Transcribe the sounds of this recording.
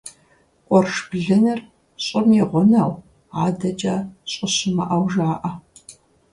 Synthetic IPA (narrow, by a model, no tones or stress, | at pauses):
qʷʼɔrʂbɮɨnɨr | ɕʼɪmɛʁʷɔnɐw | aːdɐt͡ʃʼɐɕʼɪɕɪmɐ̰ʔɐwʒaːʔɐ